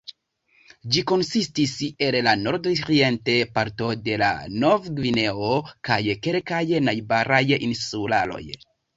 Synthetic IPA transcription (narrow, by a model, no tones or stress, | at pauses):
d͡ʒiko̞nsistise̞llano̞ɾdoɾie̞nte̞paɾto̞de̞la̰novɡvine̞okajke̞lkajnajbaɾajinsula̰lo̞̰j